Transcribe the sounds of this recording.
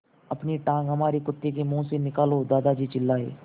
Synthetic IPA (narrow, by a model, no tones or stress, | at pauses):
ɐpniʈãːŋɡɦɐmaːɾikʊt̪ːekemũːsenɪkaːlod̪aːd̪ad͡ʒiːt͡ʃɪlːaːḛː